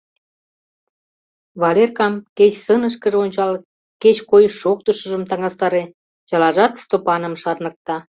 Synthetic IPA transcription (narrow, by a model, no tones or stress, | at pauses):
βɑlerkɑmket͡ɕsənəʃ̬kəʒeonʲt͡ɕɑl | ket͡ɕkojʃok̚t̪əʃə̆ʒə̆mt̪ɑŋɑst̪ɑɾe | jɑlɑʒɑt̪st̪opɑnə̆mʃɑrnək̚t̪ɑ